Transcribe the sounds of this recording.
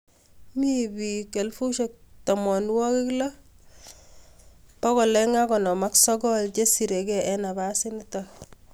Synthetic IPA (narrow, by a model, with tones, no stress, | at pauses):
mibike˨lfu˦ʃek̚ta˨mɔ˨n˦wɔ˦kɪ˦kla˦ | pɔ˦kɔ˨lɛ˦ŋa˦kɔ˨nɔ˨ma˦ksɔ˦ɡɔ˦lt͡ʃe˦si˨ɾe˨kɛɛ˦na˨basɪnɪta